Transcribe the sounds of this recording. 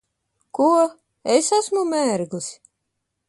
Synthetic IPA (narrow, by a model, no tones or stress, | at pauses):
kuɔ | esasmumæːɾɡus